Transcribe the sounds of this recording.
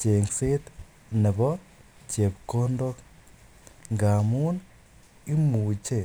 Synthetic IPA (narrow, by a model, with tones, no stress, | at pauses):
t͡ʃe˨ŋse˦t | nɪ˨βo˦ | ce˨βikoː˦ndo˦k | ŋɡa˨mu˦n | i˦muː˨t͡ʃe˦